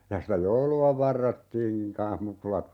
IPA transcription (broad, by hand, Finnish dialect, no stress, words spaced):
jɑ sitæ jouluɑ ʋɑrːotːiːŋkiŋ kɑ̃ːh mukulɑt